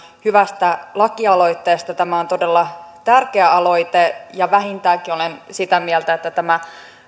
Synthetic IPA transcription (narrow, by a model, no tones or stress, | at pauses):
hyʋæst̪ælɑkːiɑlo̞it̪ːeːst̪ɑt̪æmæont̪odelːɑt̪ærkeæɑlo̞it̪ejɑʋæɦint̪æːkiolensit̪æmielt̪æet̪ːæt̪æmæ